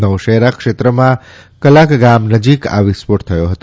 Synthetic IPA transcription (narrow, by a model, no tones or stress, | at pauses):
nəwʃəɦɾakʃet̪ɾəmã | kəlakɡamnəd͡ʒika̰ʋispoʈt̪ʰəjoɦət̪o